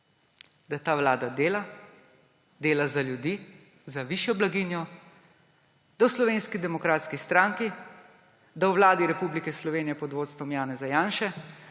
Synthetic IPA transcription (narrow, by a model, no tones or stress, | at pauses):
d̪at̪aːwlaːd̪ad̪eːla | d̪eːlazaljud̪iː | zaʋiʃjɔblaɡinjɔ | d̪awslɔʋeːnskid̪ɛmɔkɾaːt̪skist̪ɾaŋki | d̪awʋlaːd̪iɾɛpublikɛslɔʋeːnjɛpɔd̪ʋoːt̪st̪ʋɔmjaːnɛzajaːnʃɛ